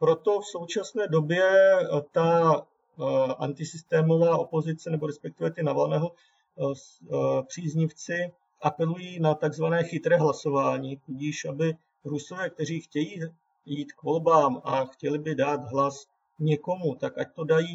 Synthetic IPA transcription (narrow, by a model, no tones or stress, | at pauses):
pɾo̞t̪o̞fso̞wt͡ʃasnɛːdo̞bjɛt̪a | ʔa̰nt̪ɪsɪst̪ɛːmo̞vaːʔo̞po̞zɪt͡sɛnɛbo̞ɾɛspɛk̚t̪ɪvɛt̪ɪnavalnɛːɦo | pr̝̥iːzɲɪft͡sɪ | ʔapɛlujiːnat̪aɡzvanɛːxɪt̪ɾɛːɦlaso̞vaːɲiːt̪uɟiːʃʔabɪ | ɾuso̞vɛːk̚t̪ɛr̝iːxcɛjiː | jiːt̪kvo̞lbaːmaxcɛlɪbɪdaːt̪ɦlas | ɲɛko̞mut̪akʔac̚t̪o̞dajiː